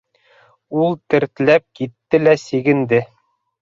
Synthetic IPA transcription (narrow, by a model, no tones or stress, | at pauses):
ulˠt̪ɘ̆ɾt̪læp̚kit̪ːɘlæsiɡɘ̆nd̪ɘ